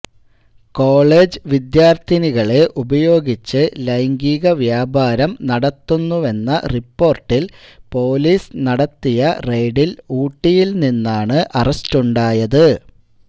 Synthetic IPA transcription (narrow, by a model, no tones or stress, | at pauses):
ko̞ːɭe̞ːd͡ʑɨʋid̪jaːrt̪ʰiniɣɐɭeʔubɐjo̞ːɡit͡ɕːɨlɐjŋɡiːɣɐʋjaːbaːɾɐmnɐɽɐt̪ːunːuʋe̞nːɐripːo̞ːrʈːilpo̞ːliːsnɐɽɐt̪ːijɐre̞jɖiluːʈːijilninːaːɳɨʔɐrɐstuɳɖaːjɐðɨ